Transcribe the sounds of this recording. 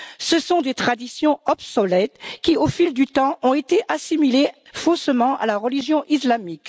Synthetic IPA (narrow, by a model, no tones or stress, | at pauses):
səsɔ̃d̪et̪χad̪isjɔ̃ɔbsɔlɛt̪kʲiofild̪yt̪ɑ̃ɔ̃et̪eʔasimile | fosmɑ̃ʔa̰laʁəliʒjɔ̃ʔislamik